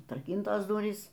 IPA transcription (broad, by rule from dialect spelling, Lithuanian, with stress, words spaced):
ɐtrɐˈkʲiːntoːs ˈdʊrʲiːs